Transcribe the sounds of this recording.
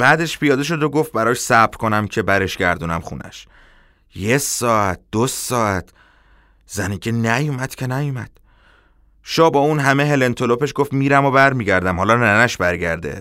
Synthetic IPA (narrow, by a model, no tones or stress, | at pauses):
b̥æːd̪e̞ʃpʰijɒːd̪e̞ʃ̬o̞d̪oɡoft̪̚bæɾɒːʃsæbɾko̞næmcʰe̞bæɾe̞ʃɟæɾd̪uːnæmxṵːnʔæ̰ʃ | jesɒːæt̪̚d̪̥osɒːæt̪ʰ | zænicʰenæjumæd̪̥cʰe̞næjumæd̪̥ | ʃɒːbɒːunɦæmeɦe̞lent̪ʰo̞lo̞pe̞ʃɡoft̪miːɾæmobæɾmiːɟæɾd̪æmhɒːlɒːnænæʃbæɾɟæɾd̪ḛ